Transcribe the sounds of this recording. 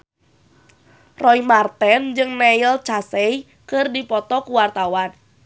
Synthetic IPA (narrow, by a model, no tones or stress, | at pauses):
rʔɔimart̪ɛnd͡ʒɨŋnɛilt͡ʃasɛj | kɨrdipɔt̪ɔkuwart̪awan